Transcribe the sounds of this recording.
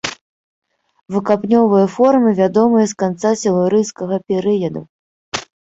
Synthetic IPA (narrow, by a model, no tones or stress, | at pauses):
vɨkapnʲɔvɨjɐfɔrmɨvʲad̪ɔmɨjɐskant̪sasʲɐlˠɨɾɨjskɐɣɐpʲɛɾɨjɐd̪u